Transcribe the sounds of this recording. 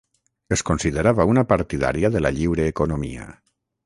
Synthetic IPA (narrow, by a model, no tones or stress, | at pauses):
eskonsiðəɾaβaunapaɾt̪iða̰ɾjaðəlaʎiwɾeːkonomḭa̰